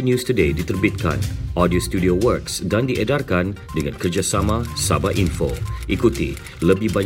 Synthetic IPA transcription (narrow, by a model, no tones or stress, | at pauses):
njust̪udedit̪ərbit̪̚ka̰nʔɔdiost̪udiowərksdandiʔədarkan | dəŋankərd͡ʒasamãsabaʔinfo̰ʔikut̪ḭ | ləbɪhbaɲ